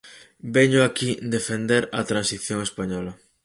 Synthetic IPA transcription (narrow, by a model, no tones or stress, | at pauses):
bɛɲʊakid̪efend̪eɾɐt̪ɾansiθjoŋespaɲɔlɐ